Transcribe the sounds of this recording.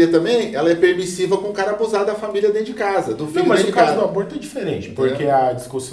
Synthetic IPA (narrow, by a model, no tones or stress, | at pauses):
ɐt̪ɐ̃mbẽj̃ɛlɐɛpeɾmisivɐkõkaɾɐabuzad̪ɐfamilʲjɐd̪ẽd͡ʒɪkazɐd̪ʊfilumɐz̃ʊ̃d͡ʒɪkaɾaɐd̪ʊaboɾt̪ʊɛd͡ʒifeɾẽnt͡ʃɪ̥poɾkeɐd͡ʒiskusɐ̃